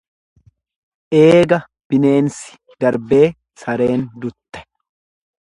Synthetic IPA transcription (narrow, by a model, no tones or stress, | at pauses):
ʔe̞ːɡɐ | b̥ɪne̞ːnsɪ̥ | d̪̥ɐɾbe̞ː | sɐɾe̞ːnd̪ʊt̪ːɛ̥